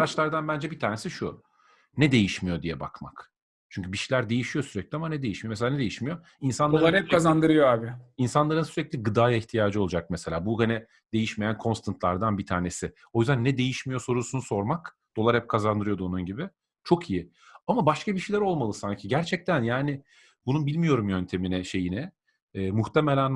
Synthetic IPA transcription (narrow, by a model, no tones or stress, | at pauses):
ɾat͡ʃlˠaɾd̪anbænd͡ʒɛbit̪ʰaːɾne̞siʃu | nɛd̪e̞jiʃmijo̞d̪ijɛba̰kma̰k | t͡ʃʰyɲcʰybiʃilʲæɾd̪e̞jiʃijo̞syɾɛclʲiamanɛd̪e̞jiʃmijomes̬elaned̪ejiʃmijo̞ | insanloalˠaɾhɛp̚kʰazand̪ɯɾɯjoaːbɪinsanlˠaɾɯnsyɾɛclʲiɡɯd̪aːjaiçt̪ʰijaːd͡ʒɯolˠud͡ʒak̚mese̞lʲaːbuɡanɛ | d̪̥e̞jiʃmejænkʰo̞nst̪ʰant̪lˠaɾd̪anbit̪ʰaːɾne̞sɪ | o̞jyzd̪ænːɛd̪e̞jiʃmijo̞so̞ɾusunuso̞ɾmak | d̪̥o̞lˠaɾhɛp̚kʰazand̪ɯɾɯjod̪onunɟibɪ | t͡ʃʰo̞kʰijɪ | amabaʃkabiʃejlʲæɾo̞lˠmalˠɯsaɲcʰiɟæɾt͡ʃʰɛc̚t̪ʰænjaːnɪ | bununbilʲmijo̞ɾumjø̞nʲt̪ʰe̞minɛʃe̞jinɛː | muxt̪ʰemelʲæn